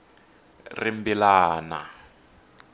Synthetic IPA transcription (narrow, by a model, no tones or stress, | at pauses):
rimbilaːna̰